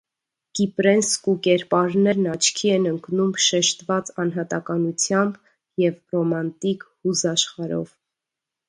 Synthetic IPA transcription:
kipɾɛnskukɛɾpɑɾnɛɾnɑt͡ʃʰkʰiɛnəŋknumʃɛʃt̪vɑt͡sɑnɦɑt̪ɑkɑnut͡sʰjɑmb | jɛvrɔmɑnt̪ikhuzɑʃχɑɾɔ̰v̥

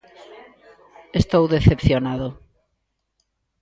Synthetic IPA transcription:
est̪owðeθepθjonaðo

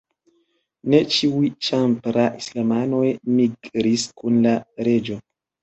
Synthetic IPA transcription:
ne̞t͡ʃiujt͡ʃampɾaʔislamano̞jmiɡɾiskunlaɾe̞d͡ʒo̞

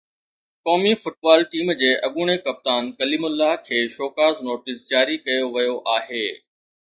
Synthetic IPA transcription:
kɔːmifʊʈ̚baːlʈiːmd͡ʑeːʔɐɠʊɽ̃ekɐp̚t̪aːnkɐlimʊlːaɦkʰeːʃoːkaːznoːʈɪsd͡ʑaːɾikɐjoʋɐjoʔaːɦeː

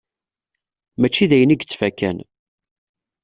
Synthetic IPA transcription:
mæt͡ʃːiðæjəniɡt͡sːfækːæ̰n

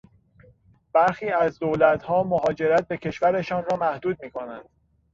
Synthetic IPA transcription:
b̥æɾxiːæzd̪olæt̪ʰhɒːmoɦɒːd͡ʒe̞ɾæt̪̚be̞cʰe̞ʃvæɾe̞ʃɒːnrɒːmæhd̪uːd̪̚miːkʰo̞næ̰nd̪̥

